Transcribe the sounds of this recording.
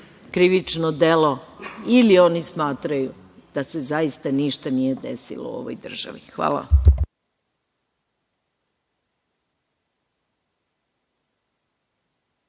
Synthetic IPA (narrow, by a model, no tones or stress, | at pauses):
kɾiʋit͡ʃnod̪elo̞ilio̞nismaːt̪ɾaju | d̪̥ase̞zajist̪aniʃt̪anije̞d̪esḭlo̰uo̰ʋo̰jd̪r̩ʒ̥a̰ʋixʋa̰ːla̰